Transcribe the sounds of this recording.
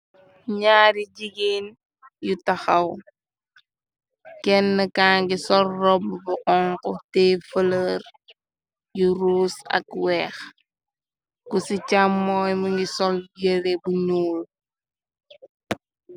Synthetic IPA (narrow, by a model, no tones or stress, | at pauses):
ɲaːɾiɟiɡen | jutɐxɐw | kɛnːəkaːŋɡisɔlːɔbbʊqɔŋkɔtɛːfələr | juɾuːsɐ̰kwɛːx | kusicamːɔːjmuŋɡisɔlɡeɾebuɲuːl